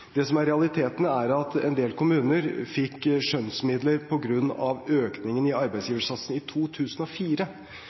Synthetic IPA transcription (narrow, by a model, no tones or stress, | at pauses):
d̪̥ɛsɔmæɾɛɑlɪt̪ʰeːt̪ənəæɾɑt̪ɛ̰nd̪eːlkʰʊmʉːnəɾfɪkːʂœnsmɪd̪ləɾpʰɔɡɾʉnːɑʋøːknɪŋənɪɑɾbæɪsjiːʋəʂɑt̪sən̩ɪt̪ʰuːt̪ʰʉːsənɔfiːɾə